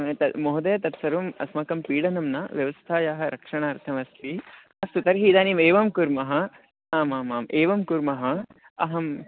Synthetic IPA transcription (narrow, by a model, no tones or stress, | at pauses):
t̪ɐmoːɦd̪ɐjɐt̪ɐt̪sɐɾʋɐmɐ̰smɐkɐmpiːɽɐnɐmnɐʋjɐʋɐst̪ʰaːjaːɦɐɾʔɐkʂɐɳaːɾt̪ʰɐmɐst̪ʰi | ɐst̪ut̪ɐɾɦiːd̪aːniːmeːʋɐmkuɾmɐɦɐ | aːmaːmaːmʔeːʋɐmkuɾmɐɦɐ | ɐ̰ɦɐm